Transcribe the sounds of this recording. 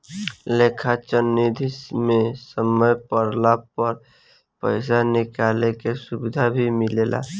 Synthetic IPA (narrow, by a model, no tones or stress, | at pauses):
lekʰat͡ʃənːid̪ʱismesəməjpəɾlapəɾ | pə̰ɪs̬anɪkalekesubɪd̪ʱabʱimilela̰